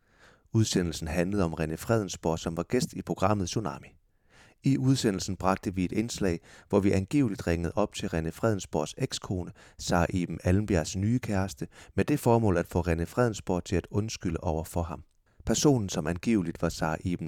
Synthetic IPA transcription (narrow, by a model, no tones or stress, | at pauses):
uð̞ˠsen̰l̩sn̩ɦænləð̩ˠɒ̽mʁɛnəfʁɛð̞ˠn̩sb̥o̰ɐ̰sɒ̽mʋɑ̈ɡ̥esd̥ipʰʁo̝ɡ̥ʁɑ̈m̰ð̩ˠsunɑ̰̈ːmi | iʔuð̞ˠsen̰l̩sn̩b̥ʁɑ̈ɡ̥̚d̥əʋie̝d̥e̝nslɛ̰ɪʋɒʋiʔænɡ̥e̝̰ːʊlid̥ʁeŋəð̩ˠɒ̽b̥̚t͡sʰe̝lʁɛnəfʁɛð̞ˠn̩sb̥o̰ɐ̥seɡ̥skʰo̝ːnəsɑ̰̈ːʔḛːb̥m̩ælm̩b̥æɐsnyːəkʰæɐsd̥əmed̥e̝fɒːmɔ̰̽ːlæd̥fɔ̰̽ːʁenəfʁɛð̞̰ˠn̩sb̥o̰ɐ̰̥t͡sʰe̝læd̥ɔ̽nsɡ̥yl̰əʔɒʊ̰ɐfɒɦɑ̈m | pʰæɐso̝̰ːnn̩sɒ̽mænɡ̥e̝̰ːʊlid̥ʋɑ̈sɑ̈ːʔḛːb̥m̩